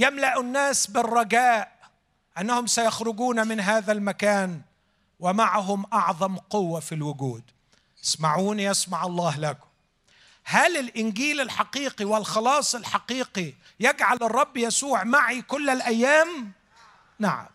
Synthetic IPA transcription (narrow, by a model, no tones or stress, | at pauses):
jamlaʔʊnːaːsbɪrˤːɑɡaːʔ | ʔanːahʊmsajaxɾʊɡuːnmɪnɦaːðalmakaːn | wɪmaʕaɦʊmʔɑʕðˤɑmqʊwːafilwʊɡuːd̪ | ɪsmaʕuːnijasmaʕɑlˤːɑːhlakʊ̥ | halɪlʔɪnɡiːlɪlħɑqiːqiwɪlxɑlɑːsˤɪlħɑqiːqi | jaɡʕalɨrˤːɑbːjasuːʕmaʕikʊlːalʔajːaːm | naʕa̰m